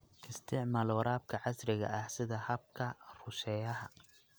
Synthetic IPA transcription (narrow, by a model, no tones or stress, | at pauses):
ʔʰɪst̪ʰɪʕmalɔːɾaːb̚kʰɐʕɑsɾɪɣɐ̰ʔɐhsɪðɐhɐb̚kʰɐrʊsɛjɐɦɐ